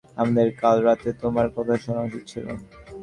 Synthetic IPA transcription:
amad̪eɾkalɾat̪et̪omaɾkɔt̪ʰaʃɔnaʃitt͡ɕʰilo̰

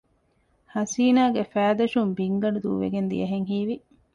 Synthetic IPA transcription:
hɐsiːnaːɡefæːd̪ɐʃumbiŋɡɐɖud̪ṵːʋḛɡend̪ḭjɐɦeŋhiːʋi

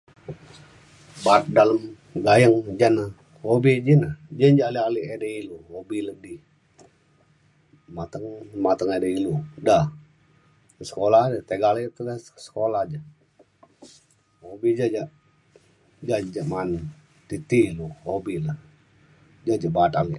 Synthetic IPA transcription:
bat̪̚daləm | ɡajəŋd͡ʒanə | hobid͡ʒinad͡ʒənd͡ʒaʔlialiedəiluhobilədi | mat̪əŋmat̪əŋedəiludah | sə̥kolahdət̪eɡalaat̪əlassə̥kolahd͡ʒa | hobid͡ʒad͡ʒaʔ | d͡ʒad͡ʒaʔman | t̪it̪iluhobila | d͡ʒad͡ʒabaːt̪aliʔ

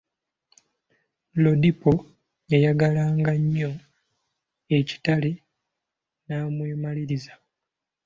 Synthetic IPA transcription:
lo̞dipo | jajaɡalaːŋɡaɲːo̞ | e̞ci̥tale | naːmweːmaliɾiza

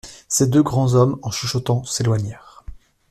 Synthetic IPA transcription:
sed̪øɡʁɑ̃zɔmɑ̃ʃiʃɔt̪ɑ̃selwaɲɛʁ

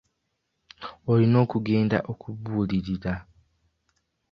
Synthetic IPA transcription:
olino̞ːkuɡe̞ːnda̰ʔo̞kʰuβuːliɾiɾa

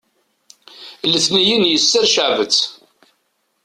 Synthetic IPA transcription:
ləθnijinjəsːəɾʃəʕvət͡sː

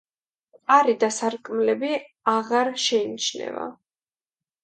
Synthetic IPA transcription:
aɾid̪asaɾkʼmlɛbi | aʁaɾʃɛinit͡ʃʰnɛ̰va̰

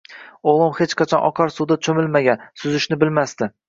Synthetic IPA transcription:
olˠɒmhet͡ʃqʰat͡ʃʰɒnʔɒ̰qʰɒɾsud̪at͡ʃʰɵmɪlmaɡʲansʊzɪʃnɪbɪlmast̪ɪ

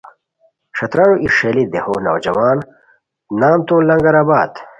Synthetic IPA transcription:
ʂɐt̪ɾaːɾuʔiʂeːlid̪ehoːnɐ̰wd͡ʑɐwaːn | naːmt̪olɐŋɡɐɾaːbaːd̪

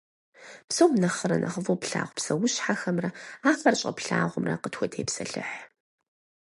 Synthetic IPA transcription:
psowmnɐχəɾɐnʔɐ̰χəvoːpɬa̰ːʁʷpsɐwʊɕħaxɐmrɐaːfɐrɕʼɐ̰pɬa̰ːʁʷʊmrɐ̰qətxʷɔtʰeːpsɐɬɨ̰ħ

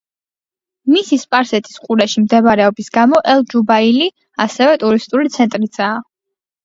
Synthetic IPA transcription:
misispʼaɾsɛt̪ʰi̥sqʼuɾaʃimd̪ɛbaɾɛɔbisɡamɔʔɛlˠd͡ʒubaili | asɛvɛt̪ʼuɾist̪ʼulit̪sʰɛnt̪ʼɾid̪z̥aː

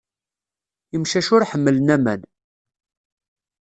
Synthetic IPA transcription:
imʃæʃʊɾħəmːəlnæmæn

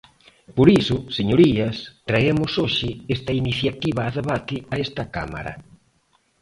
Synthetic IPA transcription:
poɾisʊseɲoɾiɐst̪ɾaemʊsoʃɪest̪ɐiniθjat̪iβɐːðeβat̪ɪaest̪ɐka̰ma̰ɾɐ̰

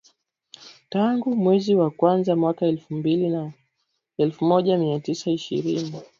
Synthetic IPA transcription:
taŋɡumwɛziwakwanzamwakaɛlfumbilina | ɛlfumɔʄamiatisaiʃḭɾini

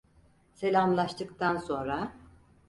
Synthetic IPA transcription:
se̞lʲamlˠaʃt̪ʰɯkt̪ʰanso̞nɾa

